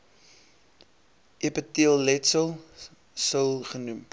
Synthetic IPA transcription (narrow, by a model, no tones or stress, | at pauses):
ipətiəlˠlɛtsəlˠ | səlˠχənum